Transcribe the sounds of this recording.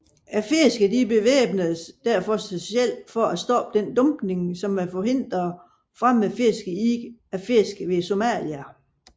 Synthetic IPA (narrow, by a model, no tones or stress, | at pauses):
æfe̝sɡ̥əd̥ib̥e̝ʋḛːb̥nəð̩ˠsd̥æɐ̰fɒ̽sb̥eɕiel̰̥fɒæsd̥ɒ̽b̥̚d̥end̥ɔ̽mb̥ne̝ŋsɒ̽mæfɒɦe̝n̰d̥ʁɐ | fʁam̰ːefe̝sɡ̥əiɡ̥æfe̝sɡ̥ʋe̝so̝mæ̰ljæ